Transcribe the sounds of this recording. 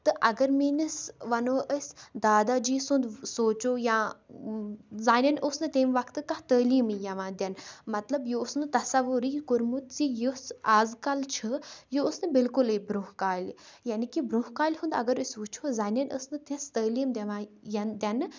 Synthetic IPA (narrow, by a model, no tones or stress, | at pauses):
t̪ɨʔɐɡɐɾminɨsʋɐnoʔəsʲd̪aːd̪ad͡ʒiːsund̪soːt͡ʃoːjãː | zaːnʲɐnʔosnɨt̪eːmʋɐkʰt̪ɨkɐt̪əːliːmijɐʋãːd̪ʲɐnmɐt̪lɐbjoːsnɨt̪ɐsɐʋːuɾikʊɾmut̪t͡sijusaːzkɐlt͡ʃʰɨjoosnɨbɪlkuləbɾuhkaːlʲjaːnikibɾuɦkaːlʲɦund̪ɐ̰ɡɐɾəsʋut͡ʃʰozaːnʲɐnə̰snɨt̪ʰist̪əːliːmd̪ʲɐʋãːjɐnd̪ʲɐnɨ